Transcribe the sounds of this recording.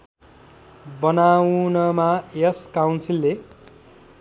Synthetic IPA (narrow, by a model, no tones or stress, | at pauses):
bʌnawnʌmajʌskawnsilːe